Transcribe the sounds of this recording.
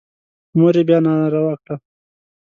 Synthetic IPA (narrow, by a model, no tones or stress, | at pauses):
moɾebjɑːnaɾawakʈa